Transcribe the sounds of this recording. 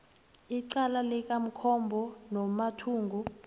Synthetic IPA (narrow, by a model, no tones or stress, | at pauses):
iǀalalɛk̬ʼam̩kʰɔmbʱɔnɔmatʰuːŋɡu